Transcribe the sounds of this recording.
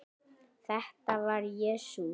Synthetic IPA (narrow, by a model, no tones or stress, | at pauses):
θɛht̪avaɾjɛːsu